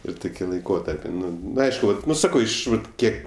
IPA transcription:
ɪr ˈtʊkʲɪ lˠɐɪˈkoːtɐrʲpʲɪ ˈnʊ nʊ ˈɐɪʃkʊ nʊ ˈsɑːkɐʊ ˈɪʃ ˈʋɐt ˈkʲiɛk

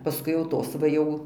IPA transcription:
pɐˈskʊɪ jɛʊ ˈtoːs ʋɐ ˈjɛʊ

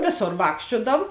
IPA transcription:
ˈʋʲeːˌsoːr ˈʋɑːkʃʲt͡ʃʲuɔdɐw

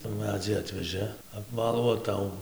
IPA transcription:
tuː ˈmʲæːd͡zʲiː ˈɑːtʲʋʲɛʒɘ ɐpˈʋɑːlˠuː oː ˈtɐʊ

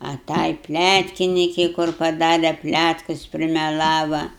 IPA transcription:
ɐ ˈtɐɪ ˈpʲlʲætʲkʲɪnʲɪkʲɛɪ kʊr pɐˈdɑːrʲɛ ˈpʲlʲætkʊs pʲrʲɪmʲɛˈlˠɑːʋɐ

